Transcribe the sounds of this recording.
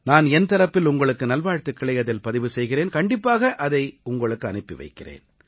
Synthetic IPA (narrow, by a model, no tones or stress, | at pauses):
naːnɛnt̪ɐɾɐpːɪlʊŋɡɐɭɯkːɯnɐlʋaːɻt̪ɯkːɪɭɐjɐðɪlpɐðɪʋɯsɛjɣɪreːnkɐɳɖɪpːaːɣɐʔɐðɐɪʊŋɡɐɭɯkːɯɐnɪpːɪʋɐ̰ɪkːɪrḛːn